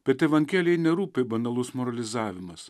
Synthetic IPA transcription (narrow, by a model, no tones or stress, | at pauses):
pʲɛt̪ʲɛʋɐŋʲkʲæːlʲɛɪnʲɛɾuːpʲebɐnɐlˠʊsmɔɾɐlʲɪzɑːʋʲɪmɐs